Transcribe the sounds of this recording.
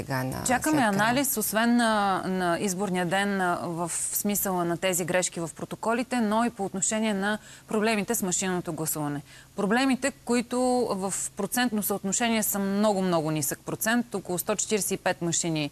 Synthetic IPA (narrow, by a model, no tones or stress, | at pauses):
ɛɡa̰n̰t͡ʃakəmmɛɐnalisosvɛnːənɐizboɾnijəd̪ɛnvəfsmisəlˠənɐt̪ɛziɡɾɛʃk̟ivɐfpɾot̪okɔlit̪ɛnoipoːt̪noʃɛniɛnɐpɾoblɛmit̪ɛsmɐʃinːot̪oɡlˠɐsuvɐnɛ | pɾoblɛmit̪ɛkoit̪ʊvəfpɾot̪sɛnt̪nosəot̪noʃɛnʲiɛsəmnɔɡʊmnɔɡʊnisək̚pɾot̪sɛnt̪okolˠʊst̪ɔt͡ʃɛ̥t̪iɾɛsɛipɛt̪məʃini